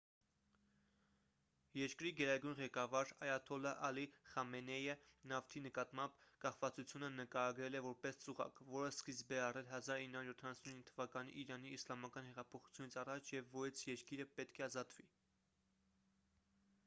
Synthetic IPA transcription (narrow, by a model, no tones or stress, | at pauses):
jɛɾkɾiɡɛɾɑɡujnʁɛkɑvɑɾɑjɑt̪ʰɔlɑʔɑliχɑmɛnɛjənɑft̪ʰinəkɑt̪mɑmbkɑχvɑt͡sut͡sʰjunənəkɑɾɑɡɾɛlɛvɔɾpɛst͡suʁɑ̰kvɔɾəskizbɛɑrɛlɦɑzɑɾinːəhɑɾjɔt̪ʰɑnɑsuninːət̪ʰəvɑkɑnḭʔiɾɑniːslɑmɑkɑnhɛʁɑpʰɔχu̥t͡sʰjunit͡sʰɑrɑt͡ʃʰjɛvːɔjt͡sʰjɛɾkiɾəpɛt̪kʰɛɑzɑt̪vi